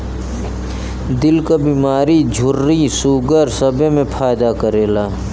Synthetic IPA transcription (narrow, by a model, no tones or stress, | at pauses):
d̪ɪlkabiːmaːɾid͡ʒʱʊɾːisuːɡəɾsɐbʱemẽpʰaːjd̪akəɾeːlaː